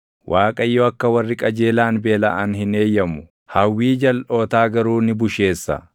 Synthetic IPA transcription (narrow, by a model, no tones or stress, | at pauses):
wʔaːkʼɐjːoɐkːɐwɐrːɪkʼɐd͡ʒe̞ːlaːnbe̞ːlɐʔanhɪne̞ːjːɐmʊ | hɐwːiːd͡ʒɐlʔo̞ːt̪aːɡɐɾuːnɪbʊʃe̞ːsːɐ̰